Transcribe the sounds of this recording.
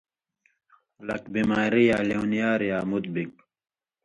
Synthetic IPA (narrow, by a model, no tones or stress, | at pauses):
ulɐkbimaːɾijaːleunjaːɾjaːmut̪̚bik